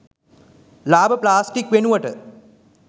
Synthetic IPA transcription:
laːbəplaːsʈikʋenuʋəʈə

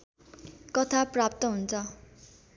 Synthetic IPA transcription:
kʌt̪ʰaprap̚t̪ʌɦunt͡sʰʌ

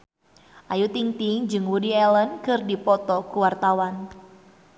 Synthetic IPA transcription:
ʔajut̪iŋt̪iŋd͡ʒɨŋwudiɛlənkɨrdipɔt̪ɔkuwart̪awan

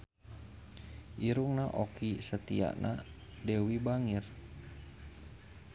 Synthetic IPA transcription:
ʔiɾuŋnaʔokisət̪ḭa̰ʔnʔadewibaŋir

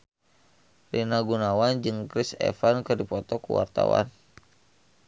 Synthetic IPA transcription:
rinaɡunawand͡ʒɨŋkɾisɛ̰fankɨdipɔt̪ɔkṵwa̰rt̪a̰wa̰n

